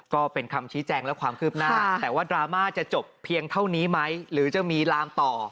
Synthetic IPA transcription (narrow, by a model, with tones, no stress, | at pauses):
kɔː˥˩pe˧nkʰa˧mt͡ɕʰiː˦˥t͡ɕɛː˧ŋlɛ˦˥kʰwaː˧mkʰɯː˥˩p̚naː˧˥˩ɛː˨˩waː˥˩dɾaː˧maː˥˩t͡ɕa˨˩t͡ɕo˨˩pʰːi˧əŋt̪ʰa˥˩wniː˦˥ma˦˥jɾɯː˩˦t͡ɕa˨˩miː˧laː˦˥mt̪ɔː˨˩